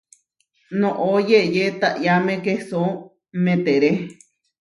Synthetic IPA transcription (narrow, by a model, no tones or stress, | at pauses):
nõʔojeʔjet̪aʔjamẽkeso | mẽt̪eɾe